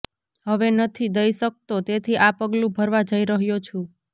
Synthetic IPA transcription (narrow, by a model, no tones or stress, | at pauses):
ɦəʋenət̪ʰid̪əjsək̚t̪ot̪et̪ʰiʔapəɡlũbʱəɾʋad͡ʒəiɾəɦjot͡ʃʰũ